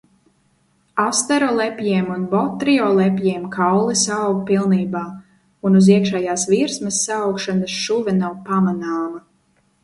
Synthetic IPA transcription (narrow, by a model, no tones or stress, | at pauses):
ast̪ɛɾɔlˠɛpʲjiɛmunbɔt̪ɾiɔlˠɛpʲjiɛmkʰawlˠisawɡpilˠniːbaː | unuziɛkʃɛjaːsviɾsmɐsːaːwkʃanɐsʃuvɛnawpamanaːmɐ